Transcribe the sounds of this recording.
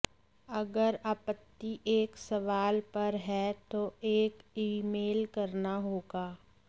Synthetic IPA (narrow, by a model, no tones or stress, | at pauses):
ɐɡəɾaːpət̪ːiʔeːksɐʋaːlpɐɾɦɛt̪oeːkiːmeːlkɐɾnaɦoːɡaː